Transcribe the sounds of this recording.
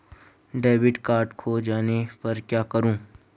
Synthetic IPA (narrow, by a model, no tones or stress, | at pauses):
ɖeːʋɪɖkaːɾʈkʰod͡ʒaːnepɐɾkjaːkɐɾũː